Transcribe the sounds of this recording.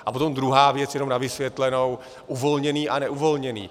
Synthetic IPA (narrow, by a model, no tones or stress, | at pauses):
ʔapo̞t̪o̞md̪ɾuɦaːvjɛt͡sjɛno̞mnavɪsvjɛt̪lɛno̞w | ʔuvo̞lɲɛniːʔanɛʔuvo̞lɲɛnḭː